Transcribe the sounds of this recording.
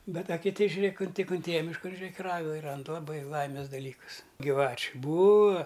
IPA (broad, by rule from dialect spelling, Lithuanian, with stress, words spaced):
ˈbʲɛt ɐ kʲɪˈtʲɪ ʒʲʊˈrʲeːk ʊn ˈtʲɪk ʊnʲˈtʲeːjɛ mʲɪʃˈkɐn ʒʲʊˈrʲeːk ɪ ˈrɑːɡɐɪ ˈrɐnt lˠɐˈbɐɪ ˈlˠɐɪmʲeːs dɐˈlʲiːkʊs ɡʲiːˈʋɑːt͡ʃʲʊ ˈbuːɐ